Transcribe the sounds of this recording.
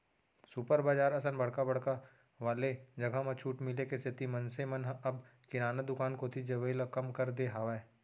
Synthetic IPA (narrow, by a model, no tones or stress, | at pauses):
supəɾbaːd͡ʒaːɾɐsənbɐɽkabɐɽ̤ka | ʋaːled͡ʒɐɡʱamɐt͡ʃʰuːʈmɪlekesʰɪt̪imɐ̃nsemənɐbkɪɾaːnad̪ʊkaːnkot̪ʰid͡ʒɐʋəilakɐmkɐɾd̪eɦaːʋe